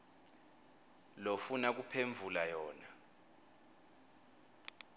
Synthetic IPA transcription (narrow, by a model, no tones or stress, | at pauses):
lofunak̬ʼupʰeɱvʱulajɔːna